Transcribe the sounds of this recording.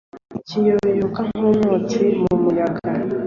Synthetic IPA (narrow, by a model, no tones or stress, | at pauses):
icijoβeɾukaŋ̥onoːt͡simumujaɡa